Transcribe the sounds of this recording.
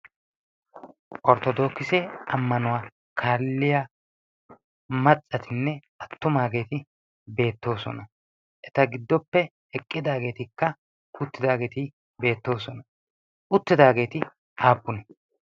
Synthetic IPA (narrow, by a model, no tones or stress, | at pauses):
ʔɔɾt̪ɔd̪o̞ːkːɪsɛɐmːɐnʊwaː | kʰaːlːɪja | mɐt͡sʼːɐt̪ʰɪnːɛ | ɐt̪ːʊmaːɡe̞ːt̪ɪ | be̞ːt̪ːo̞ːsɔ̰nɐ | ʔɛt̪ɐɡɪd̪ːɔpːɛhɛkʼːɪd̪aːɡe̞ːt̪ɪkːɐ | kʊt̪ːɪd̪aːɡe̞ːt̪ɪ | be̞ːt̪ːo̞ːsɔnɐ | ʊt̪ːɪd̪aːɡe̞ːt̪ɪ | ʔaːpːʊnɛ